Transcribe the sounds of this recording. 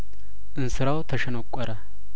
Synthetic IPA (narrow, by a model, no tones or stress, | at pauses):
ʔɨnsɨɾɐwt̪ʰɐʃɐnɔkʷʼːɐɾɐ